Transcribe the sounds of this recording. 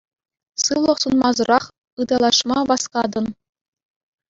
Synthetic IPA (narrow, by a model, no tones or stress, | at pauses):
sɯʋlˠɤ̆χsunmɑzuɾɑχ | ɯd̪ɑlˠɑʂmɑʋɑskɑd̪ɤ̆n